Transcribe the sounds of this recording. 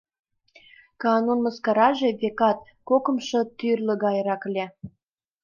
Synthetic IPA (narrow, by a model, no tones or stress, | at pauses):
kɑnunməskɑɾɑʒeβekɑt̪̚ | kokə̆mʃɤ̆t̪ːyrlə̆ɣɑjɾɑklʲe